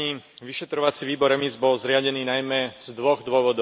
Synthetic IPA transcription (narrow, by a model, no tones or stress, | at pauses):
iʋiʃɛt̪ɾɔʋat͡siʋiːbɔɾɛmizbɔlzɾɪaɟɛniːnajmɛz̥d̪ʋɔɣd̪ʊɔʋɔd̪ɔ